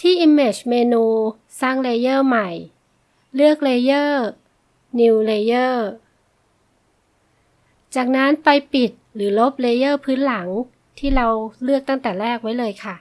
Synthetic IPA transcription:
t̪ʰiː˥˩ʔi˧mːeː˧˩t͡ɕmeː˧nuː˧ | saː˥˩ŋleː˧jɤː˥˩ma˨˩j | lɯ˥˩ək̚leː˧jɤː˥˩ | ni˧wleː˧jɤː˥˩ | t͡ɕaː˨˩k̚na˦˥npa˧jpi˨˩t̪̚lɯː˩˦lo˦˥p̚leː˧jɤː˥˩pʰɯː˦˥nla˩˦ŋ | t̪ʰiː˥˩ɾa˧wlɯ˥˩ək̚t̪a˥˩ŋt̪ɛː˨˩ɾɛː˥˩k̚wa˦˥jlɤː˧jkʰa˥˩

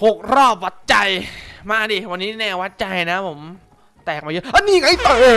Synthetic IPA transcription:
ho˨˩k̚ɾɔː˥˩p̚wa˨˩t̪̚t͡ɕa˧jmaː˧˩diː˧˩wa˧nːiː˦˥nɛː˧˩wa˦˥t̪̚t͡ɕa˧jna˦˥pʰo˩˦m | t̪ɛː˨˩k̚maː˧jɤ˦˥ʔa˧niː˧˩ŋa˦˥jt̪ɤː˧

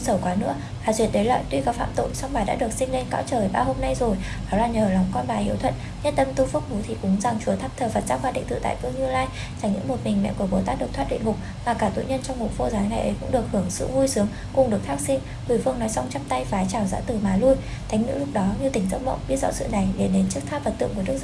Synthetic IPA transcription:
sə˧˩wkwaː˨˦nɨ̰˧˥ə | vaː˨˩zwi˨˩ət̚ɗə˨˦la̰ː˧˨jt̪wi˧kaː˨˦wfa̰ː˧˨mt̪o̰˧˨jsa˧wŋ͡mɓaː˨˩ɗa̰ː˧˥ɗɨ˨˩ək̚sï˧ŋ̟le˧nka̰ː˧˦˥wt͡ɕəː˨˩jɓaː˧ho˧mna˧jzo˨˩j | ʔaɔ˨˦laː˨˩ɲəː˨˩lɔ˨˦wŋ͡mkɔ˧nɓaː˨˩hi˧əwt̪ʰwə̰˧˨n | ɲə˦˥t̚t̪ə˧mt̪u˧fɨ˦˥ək̚mu˨˦t̪ʰi˨˩kʊ˨˦ŋ͡mza˨˩ŋt͡ɕu˨˦ət̪ʰa˦˥p̚t̪ʰəː˨˩fə˨˩t̚zaː˧wŋ͡mkwaː˧ɗḭ˧˨ŋt̪ɨ̰˧˩t̪a̰ː˧˨fɨ˧əŋɲɨ˧laː˧j | t͡ɕa˧˩ŋɲɨ̰˧˥mo˨˩t̚mï˨˩ŋ̟mɛ̰˧˨ku˧˩əɓo˨˦t̪aː˦˥ɗɨ˨˩k̚tʰwa˦˥ɗḭ˧˨ŋmʊ˨˩k͡p̚ | maː˨˩kaː˧˩t̪o̰˧˨jɲə˧nt͡ɕɔ˧wŋ͡mmo˨˩t̚fo˧zaː˨˦jŋa˨˩jʔə˨˦jkʊ̰˧˥ŋ͡mɗɨ˨˩ək̚hɨ˧˩əŋsɨ̰˧˨vu˧jsɨ˨˦əŋ | kʊ˨˩ŋ͡mɗɨ˨˩ək̚t̪ʰa˦˥k̚si˧n | kwi˧˩fɨ˧əŋnɔ˨˦jsa˧wŋ͡mt͡ɕa˦˥p̚t̪a˧jfaː˨˦t͡ɕaː˧˩wza̰ː˧˥t̪ɨ˨˩maː˨˩˦lu˧j | t̪ʰa˨˦ŋ̟nɨ̰˧˥lʊ˦˥k͡p̚ɗɔ˨˦ɲɨ˧t̪ï˧˩ŋ̟zə˦˥t̚mə̰˧˨ŋ͡mɓi˦˥ət̚zɔ̰˧˥sɨ̰˧˨na˨˩jɗe˨˩ɗe˨˦nt͡ɕɨ˦˥ək̚t̪ʰaː˦˥p̚və˨˩t̪ɨ̰˧˨əŋku˧˩əɗɨ˦˥əkz

